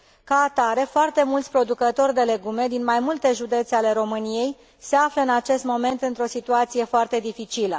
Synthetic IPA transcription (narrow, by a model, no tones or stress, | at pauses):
kaːt̪aɾe̞foart̪e̞mult̪sʲpɾo̞d̪ukət̪o̞rʲd̪e̞le̞ɡume̞d̪inmajmult̪e̞ʒud̪e̞t̪seale̞ɾo̞mɨnije̞j | se̞afləɨnat͡ʃe̞st̪mo̞me̞nt̪ɨnt̪ɾo̞sit̪uat̪sije̞foart̪e̞d̪ifit͡ʃilə̰